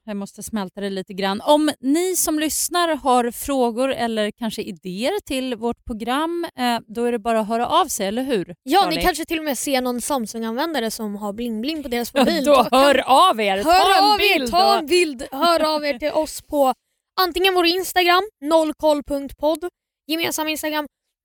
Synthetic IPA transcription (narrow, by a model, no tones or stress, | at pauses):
jamɔst̪əsmɛlt̪ad̪ɛliːt̪əɡɾanːɔmnɪsɔmlʏsnaɾhaɾfɾoːɡʊɾɛlːəɾkʰanʂəɪd̪eːəɾʈʰɪlvoʈ̚pʰɾʊɡɾamːd̪ɔæɖɛbɑːɾaɔɦœːɾaʔavsɛjɛlːəɾɦʉ̟ːɾjɑːɪkʰanʂət̪ʰɪlːɔmɛːseːɳɔnsamːsɵŋanvɛnd̪aɾəsɔmɦaɾblɪŋblɪŋpʰɔd̪eːɾasmɔbiːlhœːɾaveːɾthœːɾvɪɑːɛnbɪld̪hœːɾaːveːʈʰɪlʔɔspʰɔ | ʔant̪ɪŋːənvoːɾɪnst̪aɡɾamːnɔlːkʰɔlːpʰɵŋk̚t̪pʰɔd̪ː | jɛmeːnsamaɪnst̪aɡɾamː